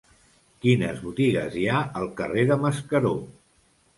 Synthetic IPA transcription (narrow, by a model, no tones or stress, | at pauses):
kinəzβut̪iɣə̰ziaəlˠkəreðəməskəɾo